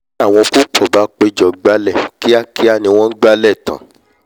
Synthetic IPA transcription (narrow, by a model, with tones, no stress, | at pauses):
a˦˨w̃ɔ̃˧ku˦k͡pʰɔ˦˨ba˨˦k͡pe˧i˨d͡ʒɔ˨ɡ͡ba˧lɛ˦˨ki˦a˦˨ki˦a˦˨nĩ˧w̃ɔ̃˦ɡ͡ba˧˦lɛ˦˨tã̰˨